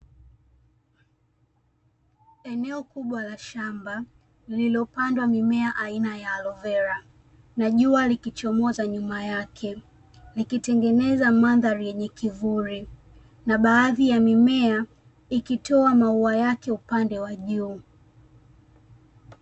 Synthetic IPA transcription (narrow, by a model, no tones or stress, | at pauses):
ɛnɛɔkuɓwalaʃamba | lililɔpandwamimɛaʔainajaːlɔvɛɾa | naʄualikit͡ʃɔmɔzaɲumajakʰɛ | likitɛŋɡɛnɛzamaðaɾijɛɲɛkivuɾi | naɓaːðijamimɛa | ikitʰɔamauajakɛupandɛwaʄuː